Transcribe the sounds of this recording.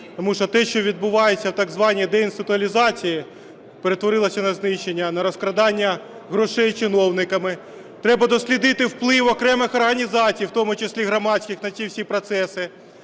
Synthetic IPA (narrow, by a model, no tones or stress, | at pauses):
ɔmuʃt͡ʃɔt̪ɛʃt͡ʃɔʋʲid̪̚bʊʋɑjet͡sʲːɐwt̪ɐɡzʋɑnʲijd̪ɛinsɪt̪ʊɐlʲizɑt͡sʲiji | peɾe̞t̪ʋɔɾɪlˠɐsʲɐnɐznɪʃːenʲːɐnɐɾɔskɾɐd̪ɑnʲːɐ | ɦɾɔʃɛjt͡ʃɪnɔwnɪkɐmɪ | t̪ɾɛbɐd̪ɔsʲlʲid̪ɪt̪ɪwplˠɪwɔkɾɛmɪxɔrɦɐnʲizɑt͡sʲijwt̪ɔmʊt͡ʃɪsʲlʲiɦɾɐmɑsʲkʲɪxnɐt͡sʲiwsʲipɾɔt̪sɛsɪ